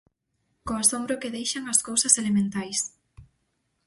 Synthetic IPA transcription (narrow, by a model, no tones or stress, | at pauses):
koasombɾʊkɪðejʃaŋɐskowsɐselemẽnt̪ajs